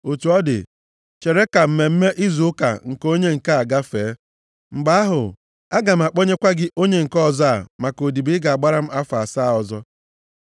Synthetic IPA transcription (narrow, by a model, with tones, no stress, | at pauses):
o˨t͡ʃu˨ɔ˦dɪ̰˨ | t͡ʃe˨ɾe˦ka˨m̩˦me˨m̩˦me˦ʔɪ˦zu˨ʊ˦ka̰˨ŋ̩˨ko˦ɲe˦ŋ̩˨ka˦a˨ɡa˦feː˨˦ | ŋ͡m̩˨ɡ͡ba˦a˦ɦʊ̰˨ | a˦ɡa˨m̩˨a˨k͡po˦ɲe˦kʷa˦ɡɪ˦ʔo˦ɲe˦ŋ̩˨kɔ˦˨za˦˨ma˨ko˨di˨bi˦ɡa˨a˨ɡ͡ba˦ɾa˦m̩˦a˦fa˨sa˦˨ɔ˨zɔ˦